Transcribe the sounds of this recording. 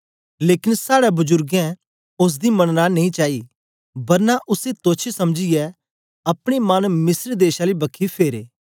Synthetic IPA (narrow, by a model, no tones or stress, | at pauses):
leːkɪnsaːɽabʊd͡ʒʊɾɡɛ̃ | ʊs̬d̪imɐɽ̃nanɐĩt͡ʃaːi | bɐɾnaʔʊset̪oːt͡ʃʰesɐmd͡ʒiɛ | ɐpɽ̃emɐnmɪsɾd̪eːʃalibɐkʰːipʰeːɾeː